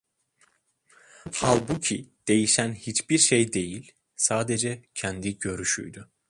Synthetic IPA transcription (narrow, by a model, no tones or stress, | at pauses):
halʲˠbucʰid̪̥e̞jiʃænhit͡ʃbiɾʃejd̪e̞jilʲ | saːd̪ed͡ʒɛcʰænd̪iɟø̞ɾyʃy̰jd̪ʊ